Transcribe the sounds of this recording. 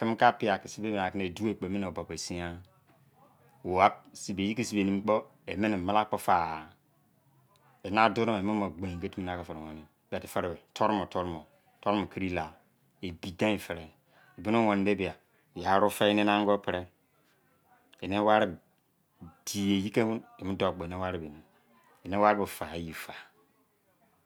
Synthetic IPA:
ki˦m˦ka˦pi˦a˨ki˨si˦be˦me˨a˨kne˨du˦e˦˨k͡po˨me˦n˨o˨ba˨pe˨si˦a˦ | wo˨a˦si˨be˨i˦ki˦˨si˦be˨ni˦m˦k͡po˦ | e˨me˦ni˨ma˦la˦k͡po˦fa˨ | e˨na˦do˦ɾo˦me˨me˦mo˨ɡ͡bẽ˨ke˦ti˦m˦na˦ka˨fe˨ɾŋo˨ne˨bi˦a˨ti˨fe˦ɾe˨be˨tʰo˦ɾmo˨tʰo˦ɾmo˨ | tʰɔ˦ɾmo˨kʰi˦ɾi˦la˨ | e˨bi˨dã˦˨fɛ˨ɾɛ˨ | bɪ˦nʊ̃˦wɔ̃˨n˦de˦bɪ˨a˨ | ja˨˦ɾʊ˦fɛ˦nɪ˦nã˦ŋ˦ɡɔ˦pʰɪ˨ɾɛ˦ | e˨ne˦wa˦ɾɪ˦b | d̥i˨e˨ji˦ke˦hʊ̃˦ne˨mɪ˦dɔ˦˨k͡pɔ˨ne˦wa˦ɾɪ˦˨be˨nĩ˨m | e˨ne˦wa˦ɾɪ˦bɛ˨fa˨ji˨fa˨

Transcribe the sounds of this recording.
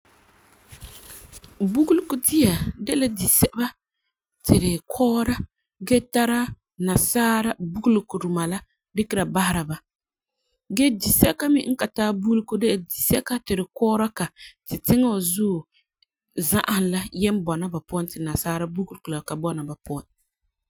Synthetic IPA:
bu˦ɡu˦lku˦di˦ja˨dɛ˦la˦di˨sɛ˦ba˦ | tʰɪ˨ɾɪ˨kʰɔː˦ɾa˦ | ɡɛ˦ta˦ɾa˦ | na˨saː˦ɾa˦bu˦ɡu˦lku˨ɾu˨ma˨la˦ | dɪ˦kɪ˦ɾa˨ba˦ha˦ɾa˨ba˨ | ɡɛ˦di˨sɛ˦ka˦mɪ̰˦ŋ̩˦ka˨taː˦bu˦ɡlko˦dɛ˦la˨di˨sɛ˦ka˦tɪ˨ɾɪ˨kɔː˦ɾa˦ka˨tɪ˨tɪ˦ŋa˦˨zuː˦˨ | za˦ʔa˨hnla˦jɛ˦m˦bɔ˨na˦ba˨pɔ˦ntɪ˨na˨saː˦ɾa˦bu˦ɡu˦lku˨la˨ka˨bɔ˦na˨ba˨pɔ˦˨n

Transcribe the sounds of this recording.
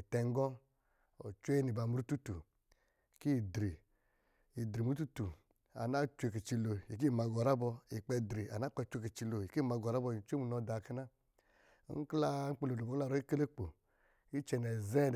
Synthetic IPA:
i˨tɛ˧ŋ˦ɡɔ˦ | ɔ̰˨t͡ʃʷe˦e˦ni˨ba˨mu˨˦ɾu˦tu˦tu˨ | ki˦˨dɾi˨ | i˨dɾi˨mu˦tu˦tu˨ | a̰˨na˦t͡ʃu˦e˧˨k̬i˨t͡ʃi˧lo˨i˨k̬i˦˨ma˧ɡɔ˨ɾa˦bɔ˧i˨k͡pɛ˧dɾi˨a̰˨na˦k͡pa˧˦t͡ʃu˦e˧ki˨t͡ʃi˧lo˨ji˨ki˦˨ma˨˧ɡɔ˨ɾa˦bɔ˧˨t͡ʃʷe˦mu˨nɔ˧da˨ki˦˧na̰˦ | ŋ̩˦kla˧˦ŋ̩˦k͡pe˧lo˨dbo˨˦ka˧ɾɔ˦i˦ke˦le˦k͡po˨ | i˦t͡ʃɛ˧nɛ˨zɛ˦˨

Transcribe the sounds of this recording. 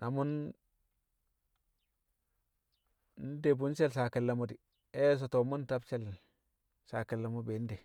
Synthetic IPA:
na˨mu˦n | n˦de˨bu˦n˦se˦lsa˨ki˨lːa˨mo˨di˨ | e˦s̬o˨to˨mu˦n˦ta˦bt͡ʃe˦l | sa˨ki˨lːa˨mo˦be˨˦n˦de˨

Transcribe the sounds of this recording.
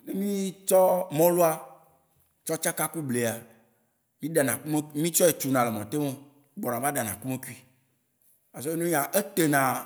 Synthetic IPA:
ne˦mĩ˦t͡ʃɔ˦mɔ̃˦lo˦a˦ | t͡ʃɔ˦t͡ʃa˦ka˦ku˦ble˨a˨ | mĩ˦ɖa˨nã˨ku˦me˦ki˦mĩ˦t͡ʃɔ˦e˨t͡ʃu˨nã˨le˨mɔ̃˨t̪e˦mẽ˦ | ɡ͡bɔ˨nã˨va˦ɖa˨nã˨ku˦me˦ku˦i˦ | a˨zo˦e˦nũ˦i˦ã˨ʔe˦t̪e˨nã˨

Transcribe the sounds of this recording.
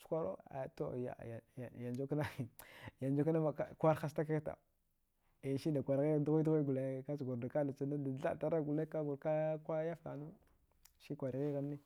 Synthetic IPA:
t͡ʃkʷa˦ɾo̰˦a̰˨to̰˨ja̰˨jja˨nd͡ʒo˦kna˦˨ja˨nd͡ʒo˦kna˦ma˨ka˨kʷa˦ɾxa˦sta˦ka˦kta̰˨ | i˨n˨ʃi˦nda˨kʷa˨ɾɣi˦ɣdu˦ɣu˦dɣa˦ɡu˨le˨ka˦t͡ʃɡu˨ɾda˨ka˦la˨t͡sa˨na˦a˨˦a̰˦˨ta˦ɾa˦ɡu˨le˦ka˦ɡu˨ɾka˦kʷa˦ja˦fka̰˨nu˦ | ʃi˦kʷa˨ɾɣi˦ɣa˨nː˦i˦

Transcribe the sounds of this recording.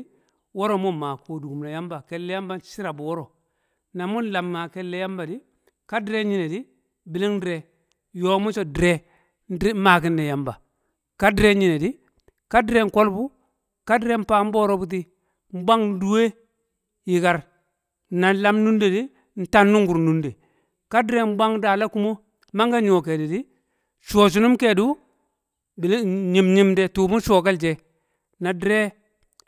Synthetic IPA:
wo˦ɾo˨mu˦˨ma˨ko˨du˨ɡu˨m˨na˨ja˦mba˨ke˨lːe˦ja˦mba˦n˦˨si˦ɾa˨bu˨wo˦ɾo˨ | na˨mu˦n˦la˨mŋa˨ke˨lːe˦ja˦mba˨di˦ | ka˦di˦ɾe˦ɲi˦ne˨di˦ | bi˨li˦ŋ˦dɾe˨ | jo˦mu˦t͡ʃo˦dɾe˦ | n˦ma˨ki˦na˨ja˨mba˨ | ka˦di˦ɾe˦ɲi˨ne˨di˦ | ka˦dɾe˦ŋ̩˦ko˦lbu˦ | ka˦dɾe˦m̩˦pa˦m̩˦bo˦ɾo˦bu˦t̬i˦ | m̩˦ba˦ŋ˦du˦we˦ | ji˨ka˦ɾ | na˨la˦mnu˦nde˨di˦ | n̩˨ta˦nːu˦ŋɡu˨ɾnu˦nde˨ | ka˦dɾe˦m˦ba˦ŋ˦da˨la˦ku˦mo˦ | ma˦ŋɡa˦ɲ˦o˨ke˨di˨di˦ | ʃoː˨t͡ʃ̬u˨nu˦mke˨du˦ | bi˨lɲi˨mɲi˦mde˦tu˨mu˦ʃo˨ka˦ld͡ʒe˨ | na˨dɾe˦

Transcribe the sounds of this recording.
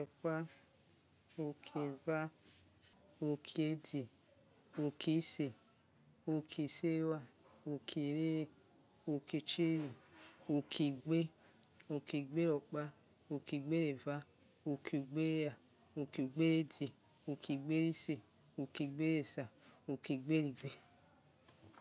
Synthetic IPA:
ɔ˨k͡pa˦ | o˧kʰe˨va˦ | o˧kʰi˧˦e˨˦di˨ | o˧kʰi˨˦se˨ | o˧kʰi˨se˦wa˧o˧kʰi˨ɾe˦e˦ | o˧ke˧t͡ʃi˦ɾi˨o˨kʰi˨ɡ͡be˦ | o˧ki˨ɡ͡be˦ɾo˨k͡pa˦ | o˧ki˨ɡ͡be˦ɾe˨va˦ | o˨ki˨ɡ͡be˦ja˨ | o˧ki˨ɡ͡be˦ɾe˦di˨ | o˨ki˨ɡ͡be˦ɾi˦se˨ | o˨ki˨ɡ͡be˦ɾe˨sa˨o˧ki˨ɡ͡be˦ɾi˨ɡ͡be˦

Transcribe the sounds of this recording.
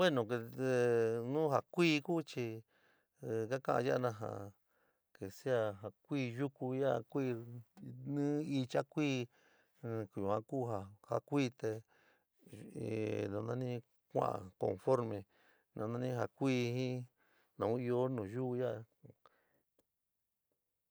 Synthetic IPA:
we˦nõ˨ke˧ | nũː˦ɦa˧kʷiː˦˧ku˦t͡ʃi˧ | ka˦kã˦ʔã̰˧ja˦a˧nã˧ɦã̰˨ | ke˨si˦a˧ɦa˧kʷiː˦˧ju˦ku˧ja˦˧kʷiː˦˧ | nɨ̃ː˦i˧t͡ʃa˦kʷiː˦˧ | ku˨ju˨ã˧kuː˦˨ɦa˧˨ha˦˧kʷiː˦˧t̪e˧ | nã˧nã˦nĩ˦ | kʷã̰˦˨ʔã̰˨ko̰˨nfo˦ɾmẽ˧ | nã˧nã˧˦nĩ˦ɦa˧˨kʷiː˦˧hĩ˦ | nã˨ũ˦i˧o˦nũː˨ju˦˧ja˦˧

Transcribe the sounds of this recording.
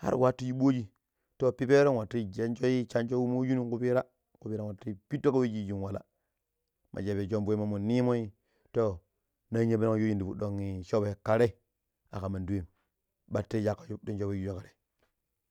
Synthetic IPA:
ha̰˦ɾwa˦tu˦d͡ʒi˦ɓo˦d͡ʒi˦ | to˦pi˦pe˦ɾo˦wa˨tːi˦d͡ʒe˨˦nt͡ʃo˦ji˦t͡ʃa˦nt͡ʃo˦wu˦mo˦ju˦nu˦˨ku˦pi˦ɾa˦ | ku˨pi˦ɾa˦wa˨ti˦pi˦tːo˦ka˦we˦d͡ʒi˦˨d͡ʒi˨nwa˨la̰˨ | mʔa̰˨d͡ʒe˨be˨d͡ʒo˦mbo˨˦i˦ma˨mu˨ni˦mo˦i˦ | to˦ | na˦ɲe˨bi˦ɾa˦a˦jo˦d͡ʒi˦ndi˨bu˨ɗo˨ŋːi˨ʃo˦bka˨ɾe˦˨ | a̰˨ka˨ma˨ndu˦we˦˨m | ɓa˨tːe˦ja˨kːḁ˨ju˦do˦nd͡ʒo˦be˦d͡ʒi˨d͡ʒo˦ka˨ɾe˨

